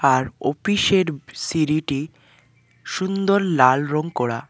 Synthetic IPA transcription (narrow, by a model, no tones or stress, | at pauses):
aɾo̰fiʃeɾsiɾiʈi | ʃund̪oɾlalɾoŋkɔɾa̰